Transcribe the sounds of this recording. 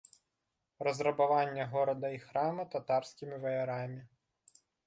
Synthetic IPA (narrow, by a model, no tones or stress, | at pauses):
rɐzrɐbavanʲːɐɣɔɾɐd̪ɐixɾamɨt̪at̪arsʲkʲimʲivɐjɐɾamʲi